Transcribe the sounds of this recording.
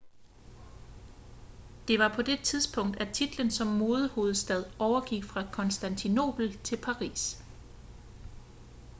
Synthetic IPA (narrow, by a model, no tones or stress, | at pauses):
d̥e̝ʋɑ̈pʰɒ̽d̥e̝t͡sʰiðˠsb̥ʰɔ̽ŋ̰d̥æt͡sʰid̥lənsɒ̽mːo̝ːð̞ˠəho̝ːð̞̩ˠsd̥æð̞ˠɒʊɐɡ̥iɡ̥fʁɑ̈kʰɒ̽nsd̥ænt͡sʰino̝̰ːb̥l̩t͡sʰe̝lpʰɑ̈ʁḭːs